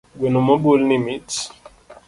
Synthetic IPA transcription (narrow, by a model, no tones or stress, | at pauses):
ɡwenumabolnimit